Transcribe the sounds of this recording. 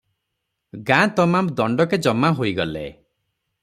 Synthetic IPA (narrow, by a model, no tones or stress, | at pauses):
ɡãt̪ɔmamd̪ɔɳɖɔked͡ʒɔmaɦoiɡɔlḛ